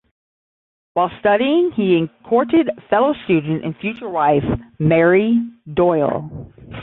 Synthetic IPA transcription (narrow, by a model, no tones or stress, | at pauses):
waɪlˠstʌɾiɪ̃ŋiɨ̃nkʰɔɹɾɪd̥fɛlˠoʊstʉdⁿn̩tɨ̰̃nfjʉt͡ʃə˞waɪfmɛɹidɔɪlˠ